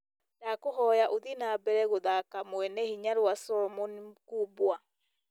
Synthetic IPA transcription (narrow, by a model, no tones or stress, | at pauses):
dakoɦɔjaʔoðinabɛɾɛɣoðakamwɛnɛhiɲaɾwasɔmonkuːbwa